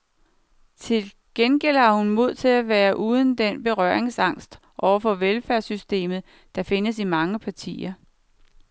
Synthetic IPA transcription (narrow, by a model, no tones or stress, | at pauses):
t͡sʰe̝l | ɡ̥enɡ̥el̰hɑ̈hunmo̝ð̞̰ˠt͡sʰe̝læʋæːɐʔuːð̞ˠən̩d̥enb̥e̝ʁɶ̰ɐe̝ŋsɑ̈ŋ̰sd̥ | ʔɒʊ̰ɐfɒ̽ʋelfæɐsysd̥e̝̰ːmð̞̩ˠ | d̥ɑ̈fe̝nəsimɑ̈ŋəpʰɑ̈t͡sʰḭːɐ